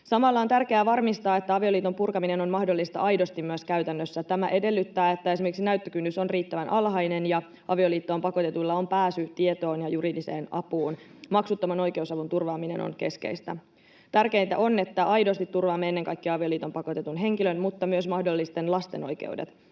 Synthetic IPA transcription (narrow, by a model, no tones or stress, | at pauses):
sɑmɑlːɑo̞nt̪ærke̞æːʋɑrmist̪ɑːe̞t̪ːæɑʋio̞liːt̪ompurkɑmine̞no̞nmɑhdo̞lːist̪ɑ̰ʔɑjdo̞st̪imːyøskæyt̪ænːøsːæt̪æmæʔe̞de̞lːyt̪ːæːe̞t̪ːæe̞simerkiksinæyt̪ːøkynːyso̞nriːt̪ːæʋænʔɑlɦɑjne̞njɑ | ʔɑʋio̞liːt̪ːo̞ːmpɑko̞t̪et̪ulːɑo̞mpæːsyt̪ie̞t̪o̞ːnjɑjuɾidise̞̰ːnɑ̰puːnmɑksut̪ːɑmɑno̞jk̟e̞usɑʋunt̪urʋɑːmine̞̰no̰nke̞̰ske̞̰jst̪æ̰ | t̪ærke̞int̪æʔo̞ne̞t̪ːæʔɑjdo̞st̪it̪ːurʋɑːmːeenːeŋkɑjkːiɑɑʋio̞liːt̪o̞mpɑko̞t̪e̞t̪unɦe̞ŋkilø̞nmut̪ːɑmyøsmɑhdo̞lːist̪e̞nlɑst̪e̞̰no̞̰jk̟ḛudḛt̪